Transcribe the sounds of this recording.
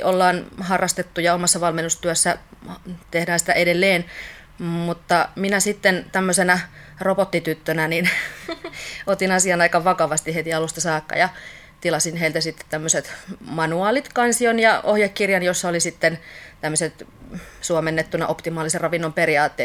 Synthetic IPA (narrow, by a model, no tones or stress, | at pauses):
ʔolːɑːnhɑrːɑst̪et̪ːujɑomɑsːɑʋɑlmenːust̪yøsːæ | t̪ehdæːnsĭ̥t̪æ̰ʔedelːeːn | mut̪ːɑminæsit̪ːent̪æmːøsenæropot̪ːit̪yt̪ːønænin | ot̪inɑsiɑnɑikɑʋʋɑkɑʋɑst̪ihet̪iɑlust̪ɑsɑːkːɑ̰jɑ | t̪ilɑsinheilt̪æsit̪ːe̥t̪t̪æmːøset̪mɑnuɑːlit̪kɑnsionjɑohjɑkkirjɑnjosːɑolisit̪ːent̪æmːøset̪suomenːet̪ːunɑ̰ʔopt̪imɑːliserrɑʋinːomperiɑːt̪ːeː